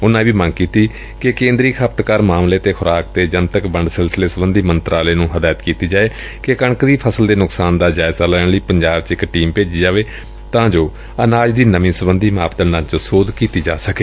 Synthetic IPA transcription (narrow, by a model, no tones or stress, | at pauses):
ʊnãːbiːmə̃ŋɡkiːt̪iː | kɪkẽːnd̪ɾiːkʰəpt̪kaːɾmaːmleːt̪eːkʰʊɾaːk̚t̪eːd͡ʒənt̪əkbəɳɖsɪlsɪleːsəbənd̪iːmənt̪ɾʔaːleːnũːɦəd̪aːjət̪kiːt̪iːd͡ʒaːeː | kekəɳkd̪iːpʰəsəld̪eːnʊksaːnd̪aːd͡ʒaːɪzaːlɛːɳliːpəɲd͡ʒaːbt͡ʃɪkʈiːmpeːd͡ʒiːd͡ʒaːʋeː | t̪ãːd͡ʒoː | ənaːd͡ʒd̪iːnəmĩːsəbənd̪iːmaːpd̪ənãːt͡ʃəsoːd̪kiːt̪iːd͡ʒaːsəkeː